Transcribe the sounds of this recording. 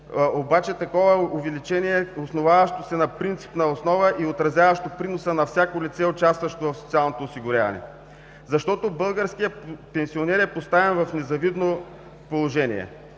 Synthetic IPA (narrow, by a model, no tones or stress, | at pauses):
obat͡ʃɛt̪ɐkɔvəʊvɛlit͡ʃɛniɛosnovavɐʃt̪osɛnɐpɾint̪si̥pnɐosnɔvəʔiot̪ɾɐzʲjavɐʃt̪opɾinosənɐfsʲjakolit̪sɛʊt͡ʃast̪vɐʃt̪ovɐfsot̪sialˠnot̪oːsiɡʊɾʲjavɐ̰nɛ̰ | zɐʃt̪ɔt̪obɤlˠɡəɾsk̟ijəpɛnsionɛɾɛpost̪avɛnvɐfnɛzɐvid̪no | polˠoʒɛnḭɛ̰